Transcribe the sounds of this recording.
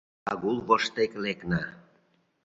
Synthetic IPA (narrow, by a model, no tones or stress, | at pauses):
ɑ̰ɣulˠβoʃt̪ekleknɑ